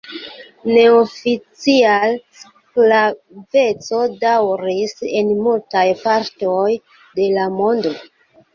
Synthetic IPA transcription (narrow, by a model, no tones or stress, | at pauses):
ne̞ofit͡sials | kla | ve̞t͡so̞dawɾise̞nmultajpaɾtoj | de̞lamo̞ndo̞